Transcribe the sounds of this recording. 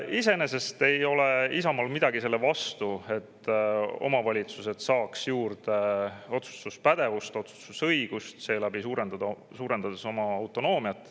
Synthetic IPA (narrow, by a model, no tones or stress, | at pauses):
ise̞ne̞se̞st̪e̞jo̞le̞isɑmɑlmid̪̥ɑɡise̞lːevɑst̪ue̞t̪ːo̞̰mɑvɑlʲit̪suse̞d̪sɑːksjuːɾd̪̥eo̞t̪su̥t̪uspæd̪̥e̞vust̪o̞t̪su̥t̪ːusɤjɡ̥ust̪se̞ːlæbisuːɾend̪̥ɑd̪ɑ | suːɾe̞nd̪̥ɑd̪̥eso̞mɑɑwt̪ˑo̞no̞ːmiɑt̪ːˑ